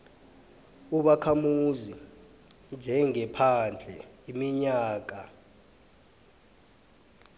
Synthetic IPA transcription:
uɓakʰamuzi | nd͡ʒʱɛŋɛpʰand͡ɮʱɛimiɲaːk̬a

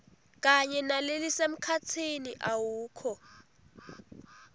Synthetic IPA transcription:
k̬ʼaɲɛnalelisem̩kʰat͡sʰiniʔawuːkʰɔ

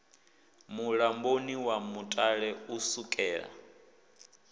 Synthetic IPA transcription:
muɺamboniwamutʼaɺɛusukʼɛːɺa̰

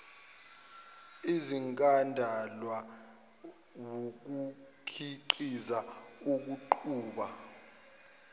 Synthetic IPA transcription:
iziŋkʼandʱalwa | wok̬u | kʰiǃizauk̬uǃʰuːɓa

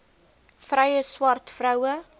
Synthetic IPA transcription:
frɐjəswɐrtfrɐwə

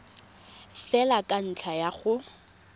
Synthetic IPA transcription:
fɛlakʼan̩t͡ɬʰajaχʊ

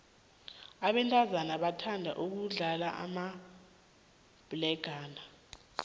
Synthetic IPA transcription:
aɓɛntʼazanaɓatʰandʱa̰ʔuk̬uɮalaʔa̰ma | b̥lɛɡ̥ʱaːna

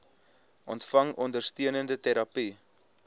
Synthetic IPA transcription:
ʔɔntfɐŋɔndərstiənəndətɛɾɐpi

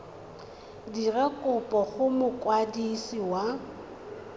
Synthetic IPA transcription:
dirɛkʼʊpʼɔχʊmʊkʼwadisiwa

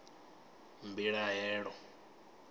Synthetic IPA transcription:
mbiɺaɦɛːɺɔ

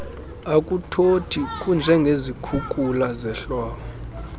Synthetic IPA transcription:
akʼutʰotʰikʼund͡ʒʱɛŋɡʱezikʰukʼulazɛɬɔːkɔ

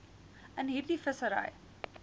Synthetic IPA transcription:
ənɦiːrdifəsəɾə̰j

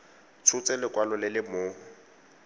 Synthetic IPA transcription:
t͡sʰʊt͡sɛlɪkʼwalɔlɪlɪmoːŋʊ

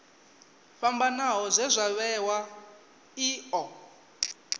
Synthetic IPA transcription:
ɸambanaɦɔzʷɛzʷaβɛwa | iːɔ

